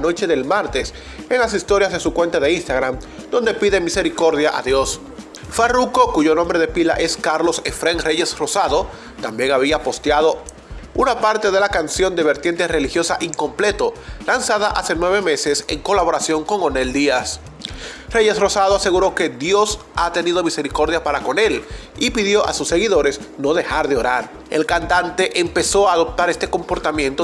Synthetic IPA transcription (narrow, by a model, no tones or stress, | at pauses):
no̞t͡ʃe̞ðe̞lmaɾt̪es | e̞ŋlasist̪o̞ɾjazðe̞sukwe̞nt̪aðe̞inst̪aɣɾam | d̪o̞nd̪epiðe̞mise̞ɾiko̞ɾðjaʔa̰ðjo̞s | faruko̞kuʝo̞nõ̞mbɾe̞ð̞epila̰ʔe̞skaɾlo̞sefɾeŋre̞ʝe̞sro̞saðo̞ | t̪ambje̞ŋaβiapo̞st̪jað̞o̞ | unapaɾt̪e̞ðe̞lakansjo̞nd̪e̞βe̞ɾt̪jent̪e̞re̞lixjo̞saʔiŋko̞mple̞t̪o̞lansaðaʔase̞nwe̞β̞e̞me̞se̞se̞ŋko̞laβo̞ɾasjo̞ŋko̞ŋo̞ne̞ld̪ias | re̞ʝe̞sro̞sað̞oase̞ɣuɾo̞ke̞ðjo̞sat̪e̞nið̞o̞mise̞ɾiko̞ɾðjapaɾako̞ne̞l | ipiðjo̞ʔa̰susːe̞ɣiðo̞ɾe̞sno̞ðe̞xaɾðe̞o̞ɾaɾ | elkant̪ant̪e̞ʔempe̞so̞aːðo̞p̚t̪aɾest̪e̞ko̞mpo̞ɾt̪amjẽ̞nt̪o